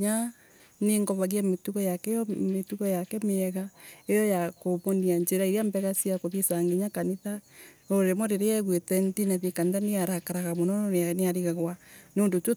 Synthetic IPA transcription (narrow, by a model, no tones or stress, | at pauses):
a | neŋɡɔβaɣiametuɣɔjakɛɔmetuɣɔjakɛmeɛɣaejɔjakoβoniaɲd͡ʒeɾaiɾeambɛɣasiakoðisaŋɡeɲakaniða | oɾɾemɔɾeɾeɛɣwetɛntinaðekaniðaneaɾakaɾaɣamonɔeneaɾiɣaɣwaneoːndotwo